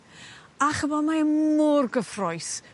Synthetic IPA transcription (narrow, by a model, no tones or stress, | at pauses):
aχəvɔdmaɛmʊrɡəfrɔjs